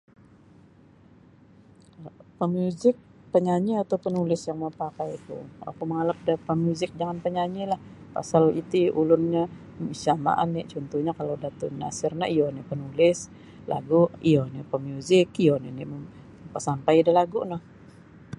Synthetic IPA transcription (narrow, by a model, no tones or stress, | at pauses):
pəmjuzɪk̚ | pəɲaɲiat̪awpənulɪsjaŋməpakajt̪ṵa̰kuməŋalap̚dapəmjuzɪk̚d͡ʒaŋanpəɲaɲilahpa̰salit̪iʔulʊnɲa | isama̰ʔanɪt͡ʃɔnt̪uhɲakalodat̪ʊ̰na̰sɪrnaijonɛpənulɪs | lʔa̰ɡuiɔnipəmjuzɪkijoninimə | pəsampajdalaɡunah